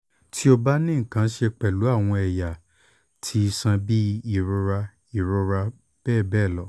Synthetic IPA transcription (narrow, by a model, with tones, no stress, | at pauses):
tʰi˦o˧ba˦nĩ˦ŋ̩˨kã˨˦ʃe˧k͡pɛ˨lu˨˦a˦˨w̃ɔ̃˧ɛ˨ja˨ | tʰi˨˦˧sã˧bi˦i˦˨ɾo˧ɾa˧ | i˨ɾo˧ɾa˧ | b̥ɛː˦˨bɛː˦˨lɔ˨˦